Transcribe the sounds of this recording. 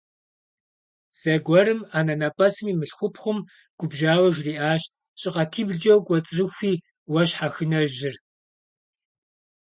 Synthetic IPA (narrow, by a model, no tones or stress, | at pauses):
z̥ɐɡʷɔɾɨmaːnɐnɐpʼɐsɨmiːmɨɬxʷʊpχʷʊm | ɡ̥ʷʊbʒaːwɐʒriːʔaːɕ | ɕʼɪqɐtʰiːbɮd͡ʒɐwkʷʼɔt͡sʼrɨxʷiː | wɐɕħaxɨnɐʒɪr